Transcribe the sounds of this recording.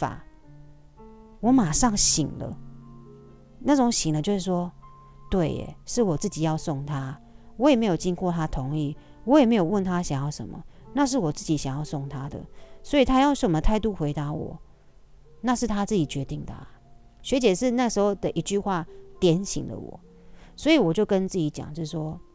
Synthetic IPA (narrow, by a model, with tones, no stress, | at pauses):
fa̰˨˩ | wɔ˨˦˥ma˨˩ʂɑ˥˩ŋɕi˨˩ŋlə̰˦ | na˥˩ʈ͡ʂʊ˨˦˥ŋɕi˨˩ŋlə˨˦t͡ɕjo˥˧ʊʂ̬ɻ̩˥˩ʂwɔ˥ | t̪we˥˩ɪ̰˨˩ʂɻ̩˥˩wɔ˨˩t͡s̩˥˩t͡ɕi˨˩jɑ˥˧ʊsʊ˥˩ŋt̪ʰa˦ | wɔ˧˦je˨˩me˧˥ɪjo˨˩ʊt͡ɕi˦ŋkʰwɔ˥˩t̪ʰa˦t̪ʰʊ˧˦ŋi˥˩ | wɔ˦jɛ˨˩me˧˥ɪjo˨˩ʊwə˥˨nt̪ʰa˦ɕjɑ˨˩ŋjɑ˥˩ʊʂə̰˨˦nmə̰˨na˥˧ʂ̬ɻ̩˥˩wɔ˨˩t͡sɹ̩˥˩t͡ɕi˨˥ɕja˨˩ŋjɑ˥˧ʊsʊ˥˩ŋt̪ʰa˦d̪ə̰˨swɔ˧˥i˨˩t̪ʰa˦˥jɑ˥˩ʊʂə˨˩mə˨˩t̪ʰa˥˧ɪt̪u˥xwe˧˥ɪt̪a˧˦wɔ̰˨˩˦ | na˥˧ʂɻ̩˥˩t̪ʰa˥t͡sɹ̩˥˩t͡ɕi˨˩t͡ɕɥɛ˧˦t̪i˥˩ŋd̪ə̰˩˨˩ | ɕɥɛ˧˥t͡ɕɛ˨˩ʂɻ̩˥˧na˥˩ʂɻ̩˧˥xo˥˩ʊd̪ə˨ʔi˧˥t͡ɕy˥˧xwa˥˩t̪jɛ˧˥nɕḭ˨˦ŋlə̰˦wɔ̰˨˩˦ | swɔ˧˥i˨˦wɔ˨˩t͡ɕjo˥˩ʊkə˦nt͡sɹ̩˥˩t͡ɕi˨˧˥t͡ɕja̰˨˩ŋt͡ɕjo˥˧˩ʂ̩˥˩ʂwɔ˦